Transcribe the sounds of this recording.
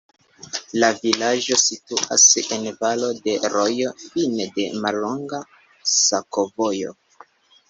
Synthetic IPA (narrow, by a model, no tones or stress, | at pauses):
lavilad͡ʒo̞situa̰senvalo̞de̞ɾo̞jo̞finede̞malːo̞ŋɡa | sako̞vojo̰